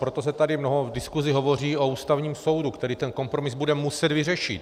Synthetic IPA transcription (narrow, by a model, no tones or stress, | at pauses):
pɾo̞t̪o̞s̬ɛt̪adɪmno̞ɦo̞dɪskuzɪɦo̞vo̞r̝iːʔouːst̪avɲiːmso̞wdukt̪ɛɾiːt̪ɛnko̞mpɾo̞mɪzbudɛmusɛd̪vɪrɛʃɪt̪